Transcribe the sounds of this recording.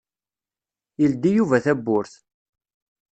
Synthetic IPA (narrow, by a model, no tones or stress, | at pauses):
ild̪ijuvæθæbːʊɾθ